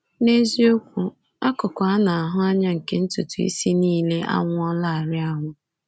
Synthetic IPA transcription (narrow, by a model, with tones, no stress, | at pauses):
ne˦zi˦o˦kʷu˦ | a˦kʊ˨kʷa˨a˦na˨a˨ɦʊ˦a˦ɲa˦ŋ̩˨ke˦n̩˦tu˨tu˨ḭ˦si˦niː˦le˦ʔa̰˦ŋʷʊ˦ɔ˦la˦a˨ɾɪ˦a˦ŋʷʊ˦